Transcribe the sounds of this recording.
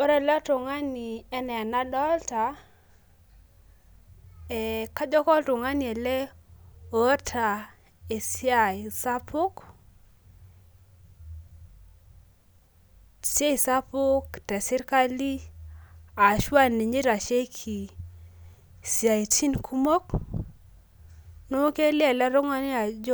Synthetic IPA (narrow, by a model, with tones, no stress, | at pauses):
o˦ɾɛ˦˨la˦to˨ŋa˦ni˨ɛ˦nɛ˨a˨na˦dɔ˦lta˨ | ɛ˨ka˦d͡ʒɔ˦kɔ˦lto˨ŋa˦ni˨ɛ˨lɛ˦ | o˨˦tʰa˨ | e˨si˦a˨i˨sa˦pʰʊ˦k | se˦i˨sa˦pʊ˦ktɛ˨sɪ˦ɾka˦li˦ | a˨ʃwa˦ni˨ɲi˦ɾa˨ʃe˦kʰi˨ | sja˨i˨t͡ʃi˦nkʰu˦mo˦k | no˦ke˦li˦ɛ˨lɛ˦ɾo˦ŋa˦ni˦a˨d͡ʒ